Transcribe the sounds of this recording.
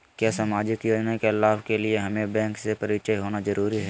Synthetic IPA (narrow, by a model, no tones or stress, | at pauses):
kjaːsaːmaːd͡ʒɪkjoːd͡ʒnakelaːʋkelieɦɐmẽbɛ̃ːŋksepɐɾɪt͡ʃəjɦoːnazɐɾuːɾiɦɛː